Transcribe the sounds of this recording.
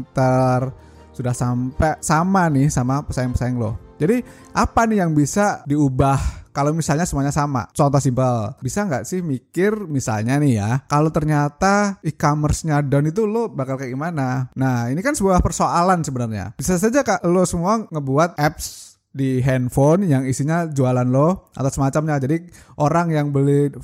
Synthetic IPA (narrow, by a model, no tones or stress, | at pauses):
nt̪ər | sudahsampɛsamanɪhsamapəsaɪŋpəsaɪŋlʊ̰hd͡ʒadi | ʔapanɪjaŋbisadiubahkalomisalɲasəmuaɲasama̰t͡ʃɔnt̪ɔsimpəlbisaŋɡaʔsɪhmikɪrmisa̰lɲanɪhjakalot̪ərɲat̪aikamərsɲadɔnit̪̬ulobakalkaɡimananahinikansəbuahpərsoalansəbənərɲa̰b̥isas̬ad͡ʒakaʔlosəmuaŋəbuat̪̚ʔɛps | diɦɛnfonjaŋisiɲad͡ʒualanloʔa̰t̪asəmat͡ʃamɲad͡ʒadiʔoɾaŋjaŋbəlɪ